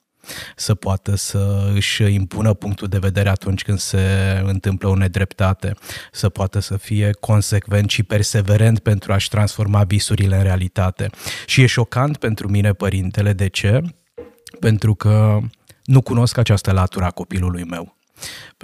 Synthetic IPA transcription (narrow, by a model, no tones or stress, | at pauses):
səpoat̪əsəɨʃʲimpunəpuŋk̚t̪uld̪e̞ve̞d̪e̞ɾe̞at̪unt͡ʃʲkɨnd̪se̞ɨnt̪ɨmpləone̞d̪ɾe̞pt̪at̪e̞səpoat̪əsəfije̞kʰo̞nse̞kve̞nt̪ʃipe̞rse̞ve̞ɾent̪̚pe̞nt̪ɾuaʃʲt̪ɾansfo̞rmavisuɾile̞ɨnɾe̞alit̪at̪e̞̰ʃije̞ʃo̞kant̪pe̞nt̪ɾumine̞pəɾint̪e̞le̞d̪e̞t͡ʃe̞ | pe̞nt̪ɾukə | nukuno̞skat͡ʃast̪əlat̪uɾəako̞pilulujme̞w